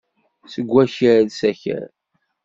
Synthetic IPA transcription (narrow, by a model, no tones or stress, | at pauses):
səɡʷːæçəɾðsæçə̰ɾ